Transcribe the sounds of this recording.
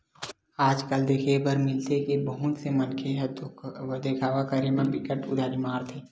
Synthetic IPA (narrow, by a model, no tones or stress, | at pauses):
aːd͡ʒkəld̪eːkʰepɐɾmɪlt̪ekebəɦʊt̪semənkʰe | d̪ekʰaːʋakəɾemẽpɪkəʈʊd̪ʱaːɾimaːɾt̪ʰeː